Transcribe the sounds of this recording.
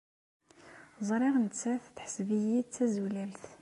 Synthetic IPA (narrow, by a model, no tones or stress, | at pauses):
zˤɾˤiʁnːæθθħə̥sbəjit̪ːæzulælt̪